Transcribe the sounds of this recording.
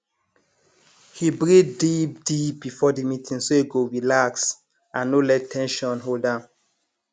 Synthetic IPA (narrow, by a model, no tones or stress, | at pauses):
hibɹiddip̚d̥ip̚bifɔdimitʰĩŋsoeɡoɹilaks | ãnːolɛtʰːɛ̃nʃɔ̃nɦoldã